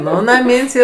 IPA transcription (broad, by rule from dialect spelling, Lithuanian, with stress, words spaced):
ˈnʊ nɐˈmʲiːnʲsʲ ˈiːr